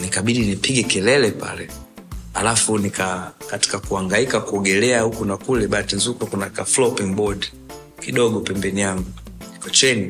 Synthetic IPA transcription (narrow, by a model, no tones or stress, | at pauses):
nikaɓiɗinipiɡɛkɛlɛlɛpa̰lɛ | halafunikakati̥kakuaŋɡaikakuɔɡɛlɛahukunakulɛɓatinzukakunakaflɔpiŋbɔd | kiɗɔɡɔpɛmbɛnijaŋɡu | nikɔt͡ʃɛni